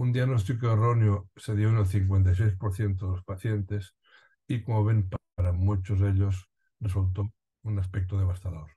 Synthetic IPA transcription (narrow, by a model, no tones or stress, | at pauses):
und̪iaɣnost̪ikoeroneoseðjonelθiŋk̬went̪̬ajs̬ejspoɾθjent̪̬oðelospaθjent̪es | ikomoβenp | ɾamut͡ʃozðeʎos | result̪̬o | unaspek̚t̪oð̞eβ̞ast̪aðoɾ